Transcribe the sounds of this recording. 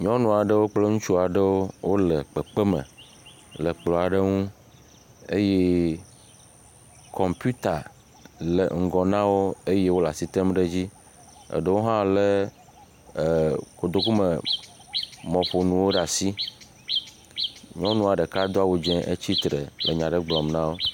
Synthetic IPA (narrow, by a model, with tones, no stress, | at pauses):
ɲɔ̃˦nũ˨a˨ɖə˦wo˦k͡ple˦ŋũ˦t͡ʃu˦a˨ɖə˦wo˦wo˦le˨k͡pɛ˨k͡pe˦mə̰̃˨ | lə˨k͡plɔ˨a˨ɖe˦ŋũ˦ | ḛ˦je˦ | kʰɔ˨mpu˦t̪a˨ | lḛ˨ŋ̩˨ɡɔ˨nã˦wo˦e˦je˦wo˦la̰˨si˦t̪ɛ˦mɖe˦d͡ʑi˦ | ḛ˨ɖe˦wo˦ɦã˦le˦˨ | ko˨d̪o˦ku˦me˨ | mɔ̃˨ɸo˨nũ˨wo˦ɖa˨si˦ | ɲɔ̃˦nũ˦a˨ɖe˨ka˦d̪o˦a˦wo˨d͡ʒɛ̃˦ʔe˦t͡ɕi˦t̪ɾḛ˨le˨ɲã˨ɖe˦ɡ͡blɔ˨mnã˦wo˦